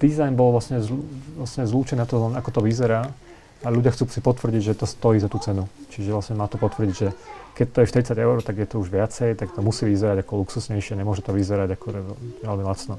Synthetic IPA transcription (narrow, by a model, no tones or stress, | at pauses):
d̪̥izajnbɔlʋlasɲɛzlasɲɛzluːt͡ʃɛniat̪ɔlaakɔt̪ɔʋizɛɾaː | aʎuɟɪaxt͡suːsipɔt̪ʋr̩ɟiɟʒɛt̪ɔst̪ɔjiːzat̪uːt͡sɛnut͡ʃiʒɛʋlasɲɛmaːt̪ɔpɔt̪ʋr̩ɟiɟʒɛkɛc̚t̪ɔjɛʃt̪iɾit͡saɟɛʊɾɔʊt̪aɡjɛt̪ɔuʒʋɪat͡sɛjt̪akt̪ɔmusiːʋizɛɾaɟakɔluksusɲɛjʃɪɛɲɛmʊɔʒɛt̪ɔʋizɛɾaɟakɔʒɛɛʋɛlmilat͡snɔ